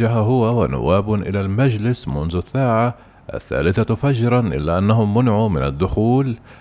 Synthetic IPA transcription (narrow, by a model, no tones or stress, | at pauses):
aɦaɦʊwawanʊ̰wːaːbʔɪ̰lalmad͡ʒlɪsmʊnðʊsːaːʕa | ʔa̰θːa̰ːlɪθafad͡ʒɾˤɑnʔɪ̰lːaʔanːaɦʊmːʊnʕumɪnad̪ːʊxuːl